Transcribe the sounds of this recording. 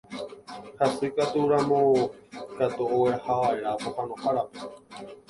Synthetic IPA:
hasuikat̪uɾamõkat̪uoweahaʋaeɾahohanõhaɾape

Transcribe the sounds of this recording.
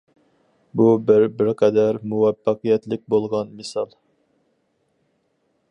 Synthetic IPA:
bubɪɾbɪɾqʰɛd̪æɾmuwɛpːɑqijɛt̪lɪk̚ʲbolˠʁɑnmɨsɑlˠ

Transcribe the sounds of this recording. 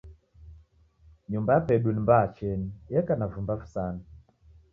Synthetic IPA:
ɲumbajapɛɗunimbat͡ʃɛnijɛkanavumbavu̥sana

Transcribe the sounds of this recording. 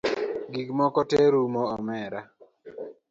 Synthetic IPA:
ɡiɡmɔkɔteɾumɔɔmɛɾa

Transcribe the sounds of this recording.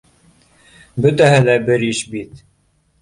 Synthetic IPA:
bɵt̪æɦɘlæbɘɾɘʃbit̪

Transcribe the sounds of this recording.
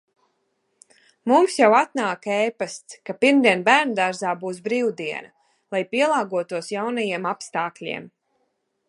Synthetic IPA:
mumsjawat̪naːkɛjpast̪skapiɾmd̪iɛnbæːɾnd̪aɾzaːbuːsbɾiːwd̪iɛna | lˠajpiɛlˠaːɡuɔt̪uɔsjawnajiɛmapst̪aːklʲḭɛm

